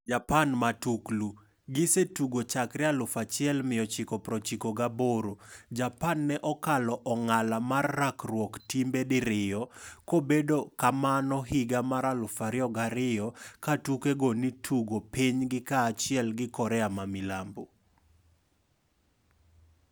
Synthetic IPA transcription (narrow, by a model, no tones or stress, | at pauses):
d͡ʒapanmatuklu | ɡɪsetuɡot͡ʃakɾɪalʊfat͡ʃɪɛlmɪjɔt͡ʃɪkɔpɾɔt͡ʃikoɡaboɾod͡ʒapanːɛʔɔkalɔʔɔŋalamarːakrwɔktimbedɪɾɪjɔkobedokamanɔɦɪɡamaɾalʊfaɾɪɔɡaɾɪjɔkatukeɡonitʰuɡopiɲɡɪkaːt͡ʃɪɛlɡɪkɔɾɛamamɪlambo